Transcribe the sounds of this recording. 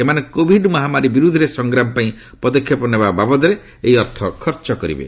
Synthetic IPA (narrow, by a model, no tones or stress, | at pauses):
emanekobʱiɖmɔɦamaɾibiɾud̪ʱɾesɔŋɡɾamɔpaĩ | pɔd̪ɔkʰːjɔpɔnebababɔd̪ɔɾe | eiɔɾt̪ʰɔkʰɔɾt͡ʃɔkɔɾḭbḛ